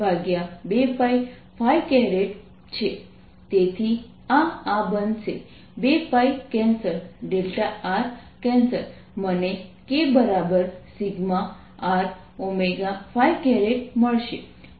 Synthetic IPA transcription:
bʱaɡjabefaj | fajkɛɾeʈ | t͡ɕʰe | t̪et̪ʰi | aabənse | befajkɛ̃nsəɾɖelʈaaɾ | kɛ̃nsəɾ | mənekebəɾabəɾsiɡma | aɾ | omeɡafajkɛɾeʈməɭʃe

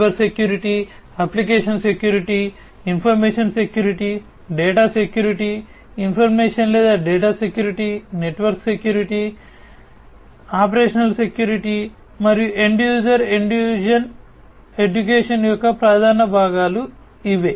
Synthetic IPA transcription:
ɐɾsekjuːɾiʈi | ɐplikeːʂɐnse̞kjuːɾiʈi | inpʰɐɾmeːʂɐnse̞kjuːɾiʈi | ɖeːʈaːsekjuːɾiʈi | inpʰɐɾmeːʂɐnlɛːd̪aːɖeːʈaːsekjuːɾiʈine̞ʈʋɐɾkse̞kjuːɾiʈi | aːp̬ɐɾeːʂɐnɐlse̞kjuːɾiʈi | mɐɾijuʔe̞ɳɖjuːd͡ʒɐɾeɳɖjuːd͡ʒɐn | e̞ɖukeːʂɐnjɔkːɐpɾaːd̪ʱaːnɐbʱaːɡaːlu | iʋeː

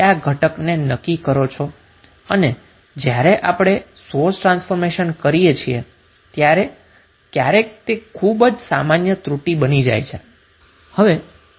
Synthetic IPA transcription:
aɡʱəʈəknenəkːikəɾot͡ʃʰo | əne | d͡ʒjaɾeʔapɽ̃esoɾsʈɾãnsfoɾmeʃənkəɾijet͡ʃʰie | t̪jaɾe | k̪jaɾekt̪ekʰubd͡ʒsamanjət̪ɾuʈibənid͡ʒa̰jt͡ʃʰe | həʋe

